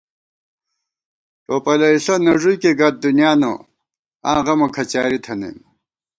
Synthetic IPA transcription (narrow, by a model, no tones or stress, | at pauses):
ʈoːpɐlɐisɐnɐʐujkeɡɐt̪̚d̪unijaːno̰ | ã̰ːʁɐmɐkʰɐt͡ɕaːɾit̪ʰɐnḛm